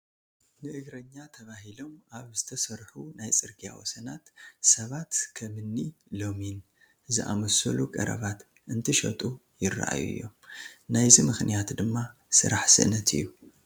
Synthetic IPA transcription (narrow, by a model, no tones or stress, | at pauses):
nɨʔɨɡɾɐɲːat̪ʰɐβaɦilo̞maβz̥ɨt̪ʰɐsɐɾħunajt͡sʼɨɾɡija̰wo̰sɐnat̪sɐβat̪kʰɐmɨnːilo̞min | ɨzɨʔa̰mosɐlukʼɐ̰ɾɐ̰βat̪ | ɨnt̪ʰiʃɐ̰t̪ʼu | jɪrːa̰ʔa̰jṵɨ̰jːo̞̰mnajzimɨxnijat̪d̪ɨmːa | sɨ̰ɾaħsɨ̰ʔnɐt̪ʰɨ̰jːu